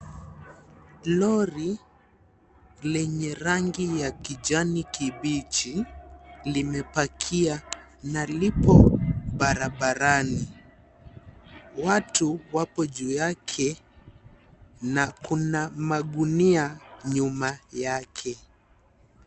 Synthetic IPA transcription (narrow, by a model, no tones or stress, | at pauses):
lɔɾi | lɛɲɛɾaŋɡijakid͡ʒanikiɓit͡ʃi | limɛpakʰia | nalipɔɓaɾaɓaɾani | watuwapɔʄuːjakʰɛ | nakunamaɠuniaɲumajakʰɛ